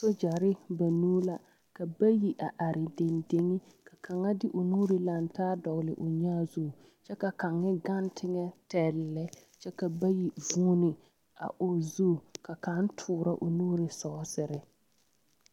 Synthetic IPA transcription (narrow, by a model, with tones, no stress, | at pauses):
so˦d͡ʒa˨ɾɪ˦ba˨nuː˦la˦ | ka˨ba˦ji˨ʔa˨ʔa˨ɾɪ˨de˨nde˦ŋi˦ | ka˨kʰa˨ŋa˦dɪ˦ʔʊ˨nuː˦ɾɪ˨˦la˨n˦taː˦dɔ˨ɣlɪ̰˨ʔʊ˨ɲaː˦zu˦˨ | t͡ʃɛ˦ka˨ka˨ŋːɪ˦ɡa˦ntʰɪ˦ŋɛ˦tɛ˨lːɛ˦ | t͡ʃɛ˦ka˨ba˦ji˨vuː˦nɪ˨ | a̰˨ʔʊ˨zu˦˨ka˨ka˨˦ntʰʊː˨ɾa˦ʔʊ˨nuː˦ɾi˨sɔː˦sɪ˨ɾɪ˦